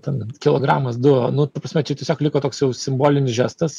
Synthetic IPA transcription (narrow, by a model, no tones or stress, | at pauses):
t̪ʲɛnkʲɪlˠoːɡɾɑːmɐsd̪ʊonʊt̪ɐpɾɐsmʲɛt͡ʃʲɛtʲiɛsʲoːklʲɪkoːt̪oːksjɛʊsʲɪmboːlʲɪnʲɪsʒʲæːst̪ɐs